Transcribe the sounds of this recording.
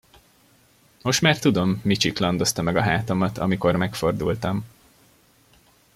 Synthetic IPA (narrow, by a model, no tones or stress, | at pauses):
mo̞ʃt̪maːrt̪ud̪o̞mːit͡ʃiklɒnd̪o̞st̪ɒmɛɡɒɦaːt̪o̞mɒt̪ɒ̰miko̞rmɛkfo̞rd̪ṵlt̪ɒm